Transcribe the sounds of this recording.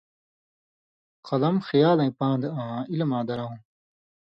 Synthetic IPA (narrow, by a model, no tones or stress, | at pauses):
qɐlɐmxijaːlɐ̃ĩpãːnd̪eãːilɐmãːd̪ɐɾɐũ